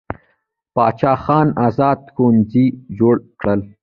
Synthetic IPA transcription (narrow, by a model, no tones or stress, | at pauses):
pɑːt͡ʃɑːxɑːnazɑːd̪̚konzid͡ʒoːɽkɽəl